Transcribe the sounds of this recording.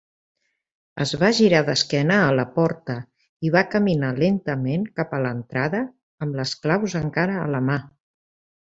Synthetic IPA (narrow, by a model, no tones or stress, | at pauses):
ə̰zβ̞aʒiɾaðəskɛnəːləpɔɾt̪ə | iβakəminalent̪əmeŋkapələnt̪ɾaðəː | mləsklawzəŋkaɾə̰ːləma